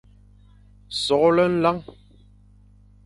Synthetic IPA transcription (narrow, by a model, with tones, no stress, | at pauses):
sɔ˨kɔ˦lə˦n̩˦la˦ŋ